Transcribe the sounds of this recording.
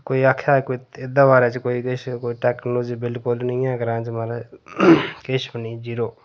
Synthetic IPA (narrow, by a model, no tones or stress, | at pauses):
koːiakʰaːkoiɪd̪aʋaːɾɛt͡ʃkoːikeʃkoːiʈɛːknuːd͡ʒbɪlkʊlnəĩɛ̃ːɡəɾãːt͡ʃmaːɾa | keʃbənid͡ʒiːɾoː